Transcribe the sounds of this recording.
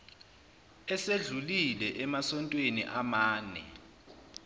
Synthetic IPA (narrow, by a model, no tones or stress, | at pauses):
ɛseɮulilɛʔɛmasɔntʼwenḭʔamaːnɛ̰